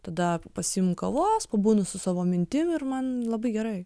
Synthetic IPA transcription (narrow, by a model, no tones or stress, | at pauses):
t̪ɐd̪ɐpɐsʲɪjɪmkɐʋoːspɐbuːnʊsʊsɑːʋoːmʲɪnʲt̪ʲɪmɪrmɐnlˠɐbɐɪɡʲɛɾɐɪ